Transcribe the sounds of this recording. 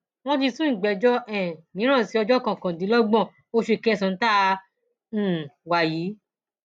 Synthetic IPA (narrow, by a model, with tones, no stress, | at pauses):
w̃ɔ̃˦d͡ʒi˧sũ˦˨ɡ͡bɛ˨˦d͡ʒɔ˦ʔɛ̃˨mĩ˨˦ɾ̃ã˦˨si˧˦ɔ˧d͡ʒɔ˦kã˨kã˨dĩ˨˦lɔ˦ɡ͡bɔ̃˦˨ | o˦˧ʃe˧˨kɛ˧˦˧sã˨˧n̩˦tã˦˧˨ | wa˨ji˨˦